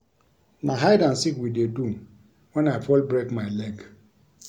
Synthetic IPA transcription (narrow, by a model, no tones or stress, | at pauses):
naɦaɪdansikwidedum | wɛ̃naɪfɔlbɾekmaɪlɛɡ